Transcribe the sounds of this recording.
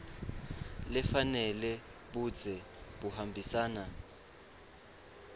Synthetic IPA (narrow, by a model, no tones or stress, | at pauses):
lɛfanɛlɛ | ɓud͡zʱɛ | ɓuhambʱisaːna